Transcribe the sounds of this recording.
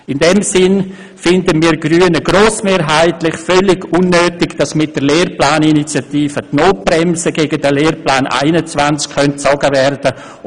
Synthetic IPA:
ɪndɛmsɪn | fɪndəmiːɾɡryːənəɡ̥roːsmeːɾɦaɪtlɪχfœlɪɡunːøːtɪɡd̥ɑsmɪt̚d̥əleːrplaːninit͡sjatiːfətnoːt̚b̥rɛmsəɡeːɡədəleːrplaːnʔa̰ɪnət͡svant͡skxœnt̚t͡sɔɡəvɛrd̥ə

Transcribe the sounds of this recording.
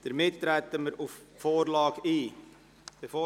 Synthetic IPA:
d̥əɾmɪttːɾæt̪əməɾuffoːɾlɑːɡiː | b̥efoː

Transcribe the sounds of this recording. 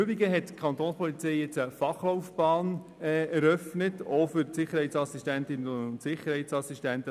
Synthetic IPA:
øbiɡəɦɛtkʰɑnt̪oːnspʰɔlit͡sɛɪɛt͡səfɑχloʊfb̥ɑːn | ɛːɛɾœfnətofʏɾtsɪχəɾhɛɪtsɑsiʃtæntɪnəʊntsɪχəɾhɛɪtsɑsistæntə

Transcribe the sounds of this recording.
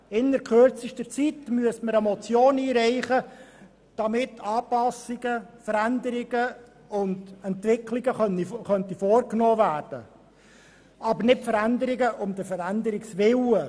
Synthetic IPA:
ɪnːəɾkʰχørt͡siʃtət͡sit̪myəstməɾəmɔt͡sjoːniːɾɛɪχə | d̥ɑmɪtʰːɑːpɑsiɡ̥əfəɾænd̪əɾɪɡ̥ə | ʊndɛnt̪vɪkʰliɡəχniχœnt̪ifɔːrknɔːvæːrd̥ə̰ | ɑbəɾnɪtfəɾænd̪əɾɪɡəʔʊmd̥̪əfəɾændəɾɪksʋɪwə

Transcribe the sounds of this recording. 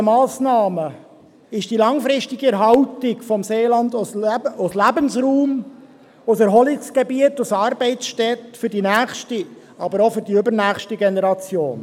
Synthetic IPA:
əmɑːsnɑːmə | ɪʃd̥ilɑŋfɾɪʃtiɡiɛɾɦɑʊtɪɡfɔmseːlɑnd̪ʊslæbənsɾuːm | ʊsəɾɦɔlɪsɡ̥ebiət̪ʊsɑːɾbɛɪtt͡sʃtɛtfʏɾdinæːχʃti | ɑbəɾofʏɾdiʏbəɾnæːχʃtiɡenɛɾɑt͡sjoːn

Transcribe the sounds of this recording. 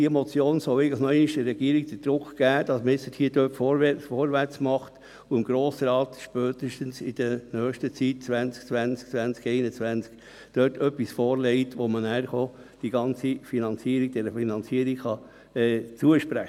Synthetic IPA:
d̥iəmɔt͡sjoːnsɔʊɛɪɡəl̩ənɔɛɪniʃd̥əɾːɛɡ̥iəɾiɡ̚d̥̪əd̥ɾʊkɡ̥æːd̥ɑsmɪsəthiːəd̥øːtfoːɾʋɛfoːɾʋæɾt͡smɑχt | uɪmɡɾoːsɾɑːt̪ʃpœːt̪ɪʃtənsɪd̥ənœːχʃtət͡sit̚t͡sʋænt͡sk̚t͡sʋænt͡skt͡sʋænt͡skɛɪnət͡sʋænt͡sk | d̥øːtʰœpːisfoːɾlɛɪtʋɔmənæːɾχo | d̥iɡɑnt͡sifinɑnt͡siəɾiɡ̥̚d̥ɛɾəfinɑnt͡siəɾikχɑ | ɛːt͡suəʃpɾæχə

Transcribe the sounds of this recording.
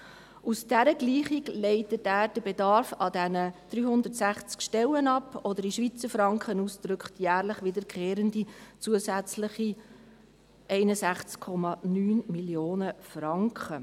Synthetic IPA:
ʔusd̥æɾəɡliːχiɡlɛɪtətæːɾd̥əbedɑɾfɑdɛnəd̥ɾyːɦʊnd̪ətsæχt͡skʃtɛlːənɑpːɔd̪əɾiʃʋit͡səɾfɾɑŋkχənusd̥ɾʏkχtjæːɾləχʋɪdəɾkχeːɾəndit͡suəsæt͡sləχi | ʔɛɪnəsæχt͡skʰːɔmɑnyːnmiljoːnəfrɑŋkχə

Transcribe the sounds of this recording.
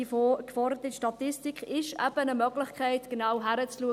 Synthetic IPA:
ifokfɔrdət̪ɪʃtɑt̪ɪstikχɪʃɛ̰b̥ənəmœɡlɪχkχɛɪtɡ̥ənaːwɦæɾət͡sluə

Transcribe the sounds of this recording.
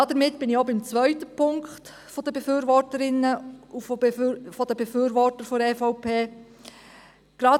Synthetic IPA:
ɑːd̥̪əɾmɪtb̥ɪnɪçobɪmt͡svœʏtəpʰʊŋkχt | fɔd̥̪əb̥efyːɾvɔrtəɾɪnːəuffɔd̥̪əbefyːɾʋɔrtəɾfoɾɛːfɔʊpeː | ɡ̥ɾɑː

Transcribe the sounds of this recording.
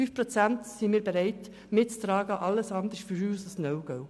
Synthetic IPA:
yːfpɾot͡sæntsimiːɾb̥eɾɛɪt | mɪtt͡st̪ɾɑːɡəʔɑlːəsɑnd̪əɾsfyɾuːsəsnœʊɡ̥ɔʊ

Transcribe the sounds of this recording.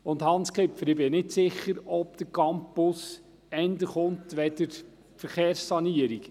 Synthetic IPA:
ʊndhɑnskʰɪpfəɾɪbɪnɪtsɪχːəɾɔpd̥̪əkɑmpʊs | ɛndəχʊntʋɛdəɾ | fəɾχeːɾsːɑniəɾik

